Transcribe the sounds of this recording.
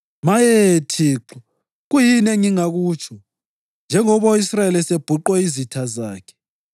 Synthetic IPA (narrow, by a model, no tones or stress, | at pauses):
majɛtʰiːǁɔ | ɣujineŋiŋaɣuːt͡ʃʰʼɔ | nd͡ʒʱɛŋɔβoisraelɛseb̥ʱuǃwɛizitʰazaːkʰɛ̥